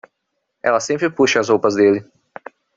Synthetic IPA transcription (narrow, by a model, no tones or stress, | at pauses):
ɛ̰lɐsẽmpɾɪpuʃɐɐzhowpɐzd̪elɪ